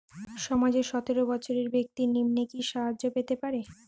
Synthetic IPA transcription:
ʃɔmad͡ʑeɾʃɔt̪eɾobɔt͡ɕʰoɾeɾbek̚t̪inimnekiʃaɦad͡ʑːopet̪epaɾe

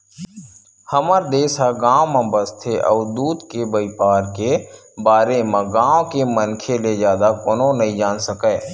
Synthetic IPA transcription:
həməɾd̪eːsaɡãːwmə̃bəst̪ʰeʔɔːɾd̪uːd̪kebəɪpaːɾkebaːɾemãɡãːw̃kemənkʰeled͡ʒjaːd̪akoːnõnəɦĩd͡ʒaːnsəkɛː

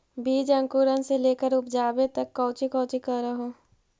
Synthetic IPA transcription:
bʱiːd͡ʒə̃ŋkuːɾənseleːkəɾʊpd͡ʒaːbet̪ɐkːɔːʊt͡ʃikɔ̃ːt͡ʃikɐɾɾɐɦoː

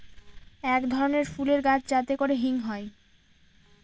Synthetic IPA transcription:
ɛkd̪ʱɔɾoneɾfuleɾɡat͡ɕʰd͡ʑat̪ekoɾeɦiŋɦɔe

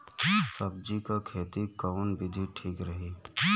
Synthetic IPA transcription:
sɐb̚d͡ʒikakʰeːt̪ikaʊnbʱɪd̪ʱiʈʰiːkɾəɦiː

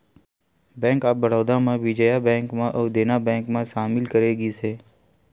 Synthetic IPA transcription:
bɛ̃ːŋkaːbəɽ̤oːd̪ãmãʋɪd͡ʒəjabɛ̃ːŋkmãʔəʋd̪eːnabɛ̃ŋkmãʃaːmɪlkəɾeɡisʰeː

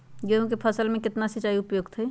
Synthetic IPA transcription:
d͡ʒeũkepʰəsəlmẽkɪt̪nasit͡ʃaiʊpjoːɡt̪ʰɦəj

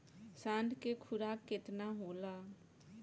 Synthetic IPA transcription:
sãːnɖ̪kekʰʊɾaːkkːɪt̪naːɦoːlaː

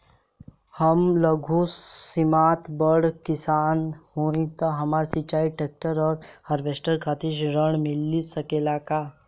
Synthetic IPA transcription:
həmləɡʱuimaːt̪bəɽkɪsaːnhoːĩt̪aɦɐmaːɾsit͡ʃaːiʈeːk̚ʈəɾɔːɾhəɾbeːsʈəɾkʰaːt̪ʰiʃɾəɳ̃mɪlːisəkelaːkaː

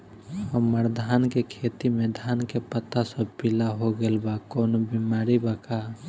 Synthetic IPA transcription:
əməɾd̪ʱaːnkekʰet̪imẽd̪ʱaːnkepət̪asə̃pilaɦoɡelbakɔːnobimaːɾibaka

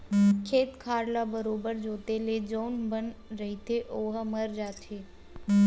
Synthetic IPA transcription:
kʰeːt̪kʰaːɾlabəɾoːbəɾd͡ʒoːt̪eled͡ʒoːnbənɾɐɦit̪ʰeʔoːɦaməɾd͡ʒaːt̪ʰeː

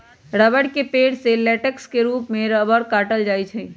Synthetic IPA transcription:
ɾəbəɽkepeɽselɛʈəkskeɾuːpmeɾəbəɾkaʈəld͡ʒajt͡ʃʰɛ

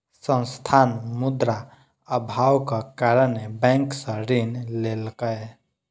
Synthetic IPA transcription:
sə̃nst̪ʰanmud̪ɾa | əbʱawkakaɾənːebɛ̃ŋksə̃ɾinlelkəj

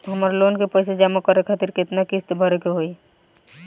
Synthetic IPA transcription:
ɦəmaːɾeloːnkepəɪs̬ed͡ʒaːmukəɾekʰat̪iɾkɪt̪nakɪst̪bʱəɾekeɦoi

